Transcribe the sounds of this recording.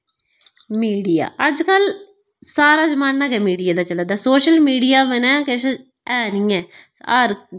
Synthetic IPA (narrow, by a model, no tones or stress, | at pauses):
miːɖija̰ːʔəd͡ʒkəl | saːɾaːd͡ʒəmaːnːaɡɛːmiːɖijaːd̪aːt͡ʃəlaːd̪aːsoːʃəlmiːɖijaːbənɛ̃ːkɪʃ | ɛːnĩːɛː | aɾ